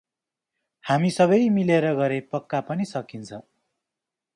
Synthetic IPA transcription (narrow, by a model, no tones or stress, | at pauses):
hamisʌbʌjmileɾʌɡʌɾepʌkːapʌnisʌkint͡sʰʌ